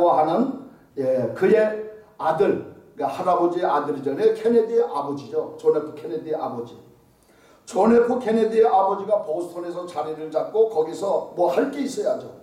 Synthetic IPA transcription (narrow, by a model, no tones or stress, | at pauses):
waɦanɯn | jekɯje̞ | adɯɭkahaɾabod͡ʑieadɯɾid͡ʑʌne̞kʰe̞nedieʔabʌd͡ʑid͡ʑot͡ɕonepʰu̥kʰened̪ieʔabʌd͡ʑi | t͡ɕone̞pʰukʰe̞ned̪ieʔabʌd͡ʑiɡapoɡsʰtʰonesʰʌt͡ɕaɾiɾɯɭd͡ʑat̚k͈okʌɡisʰʌmwʌhaɭk͈eis͈ʌjaɦad͡ʑo